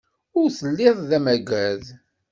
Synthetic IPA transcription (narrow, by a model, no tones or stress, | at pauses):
ʊɾθəlːɪðˤðæmæɡæð